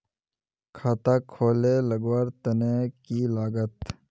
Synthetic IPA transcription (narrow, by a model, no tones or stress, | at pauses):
kʰaːt̪aːkʰoːlelɐɡwaːɾt̪ɐnekiːlaːɡət̪